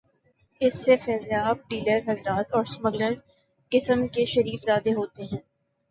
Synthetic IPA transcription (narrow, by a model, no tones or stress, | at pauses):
ɪsːefɛːzjaːb̚ɖiːləɾɦɐzɾaːt̪ɔːɾsməɡləɾ | kɪsəmkeʃɐɾiːfzaːd̪eɦoːt̪eɦɛ̃ː